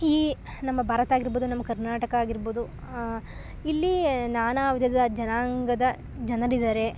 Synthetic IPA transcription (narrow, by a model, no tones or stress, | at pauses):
iː | nɐmːɐbʱaːɾɐt̪aːɡiɾboːd̪unɐmːɐkɐɾnaːʈɐkɐaːɡiɾboːd̪u | ilːinaːnaːʋid̪ʱɐd̪ɐd͡ʒɐnaːŋɡɐd̪ɐ | d͡ʒɐnɐlid̪aːɾe